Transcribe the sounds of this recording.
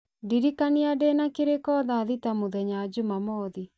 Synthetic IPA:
diɾikaniadenakeɾekɔðaðitamoðɛɲad͡ʑumamɔði

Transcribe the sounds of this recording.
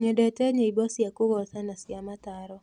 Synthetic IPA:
ɲɔdɛtɛɲɔibɔsjakʊɡɔsanasjamat̪aɾɔ

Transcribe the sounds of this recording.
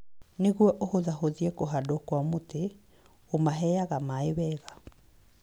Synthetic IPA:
neɣwɔʔohoðaɦoðiekoɦadokwamote | omaɦɛaɣamaeβɛːɣa

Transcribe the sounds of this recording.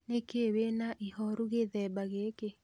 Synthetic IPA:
nekeβenaʔihɔɾuɣeðɛbaɣeːke

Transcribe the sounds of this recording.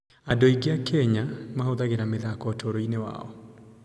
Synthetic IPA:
adoiɡeakɛɲamaoðaɣeɾameðakɔtʰoɾoinewa̰ɔ

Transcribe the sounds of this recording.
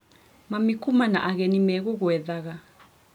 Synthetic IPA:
mamikʰumana̰ʔaɣenimɛk̬ɔk̬wɛðaɣa

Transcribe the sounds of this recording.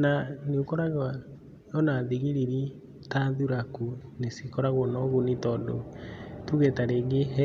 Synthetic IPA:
naneokɔɾaɣwa | jɔnaðiɣiɾiɾi | taðuɾakunesikɔɾaɣwɔnɔɣunitɔːndo̰tuɣɛtaɾeːɡeɦɛ

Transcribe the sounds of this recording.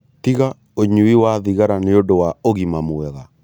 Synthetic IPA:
tiɣa | oɲuiwaðiɣaɾaneodowaoɣimamwɛɣa

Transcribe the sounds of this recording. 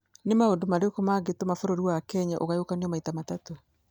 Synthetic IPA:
nemaondomaɾekomaɡetomafoɾoɾiwakɛɲaʔoɣajokaniɔmaitamatato

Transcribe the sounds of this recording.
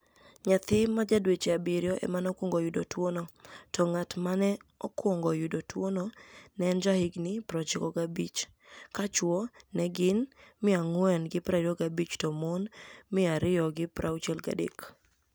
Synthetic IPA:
ɲat̪ɪmad͡ʒadwet͡ʃeabɪɾjɔʔɛ̰manɔkwɔŋɡɔjʊdotwonɔtɔŋatmanɛɔkwɔŋɡɔjʊdotwonɔnɛnd͡ʒahɪɡnɪpɾɔt͡ʃɪkɔɡabit͡ʃ | kat͡ʃwɔnɛɡɪnmɪaŋwɛnɡɪpɾaɾoɡabit͡ʃtɔmonmɪaɾɪɔɡɪpɾʔawt͡ʃɛlɡa̰dḛk

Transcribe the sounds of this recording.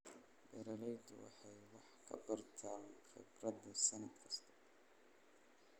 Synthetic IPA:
bɛɾɐlɛjd̪ʊ̰wɑ̰ħɑjwɑħkʰɐ̰bɐrt̪ʰaːnχɪ̰brɐd̪ɐsɐnɐd̪kʰɐ̥st̪ʰɐ̥

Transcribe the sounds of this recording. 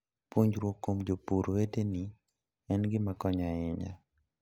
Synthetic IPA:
pwoɲd͡ʒɾwokːomd͡ʒopuɾweteni | ɛnɡɪmakɔɲaɪɲa̰

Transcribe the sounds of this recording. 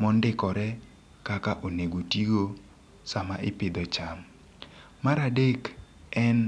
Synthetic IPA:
mɔndɪkɔɾɛ | kakaʔoneɡotiɡo | samaʔɪpɪd̪ɔt͡ʃam | maɾadek | ɛn

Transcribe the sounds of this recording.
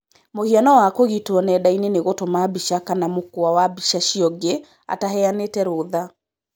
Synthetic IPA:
mohianɔwakoɣitwɔnɛdaineneɣotomabiʃakanamokoawabiʃaʃiɔɡe | a̰tahɛanetɛɾoːða

